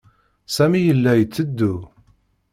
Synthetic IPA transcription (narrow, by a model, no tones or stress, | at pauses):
sæmijəlːæjət͡sːəd̪ːu